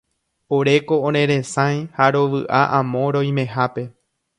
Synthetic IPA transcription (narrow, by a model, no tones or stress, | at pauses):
oɾe̞ko̞õɾ̃ẽɾẽ̞sãj̃haɾoʋɨʔaʔãmõ̞ɾo̞jmẽ̞ɦape̞